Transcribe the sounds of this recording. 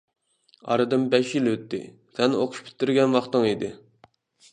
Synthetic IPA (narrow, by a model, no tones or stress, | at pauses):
ɑ̰ɾɨd̪ɨmbɛʃjilwøt̪ːɪ̰ | sɛno̰qʰʊ̥ʃpʲʰi̥t̪ʰːɪɾɡʲɛnwɑχt̪ɨŋid̪ɪ